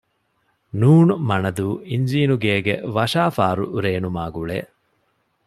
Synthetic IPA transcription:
nuːnumɐnɐd̪uːiɲd͡ʒiːnuɡeːɡeʋɐʂaːfaːɾuɾeːnumaːɡuɭḛː

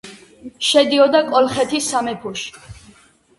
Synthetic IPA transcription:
ʃɛd̪iɔd̪akʼɔlχɛt̪ʰisamɛpʰuʃi̥

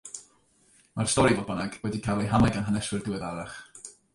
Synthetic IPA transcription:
mar̥stɔɾivɔd̚bənaɡwɛdikʰalˠejɦanɛɡanɦanɛswɪrdɪwɛðaɾaχ

